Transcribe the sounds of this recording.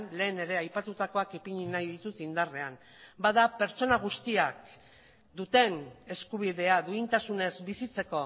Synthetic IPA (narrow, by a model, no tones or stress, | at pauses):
nle̞ːne̞ɾe̞ajpat̪ut̪ako̞akipiɲinajðit̪ut̪ind̪are̞an | baðape̞ɾt͡ʃo̞naɣ̞ust̪iak | d̪ut̪e̞ne̞skuβ̞ið̞e̞aðuint̪asune̞zbisit͡se̞ko̞